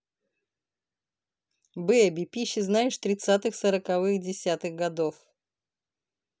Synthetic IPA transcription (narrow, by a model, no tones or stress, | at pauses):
bɨbʲɪpʲiɕːɪznaɪʂt̪ɾʲɪt̪sat̪ɨxsəɾəkɐvɨxdʲɪsʲat̪ɨɣɡɐd̪of